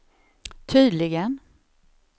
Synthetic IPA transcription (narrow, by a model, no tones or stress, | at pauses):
t̪ʰyːd̪lɪɡən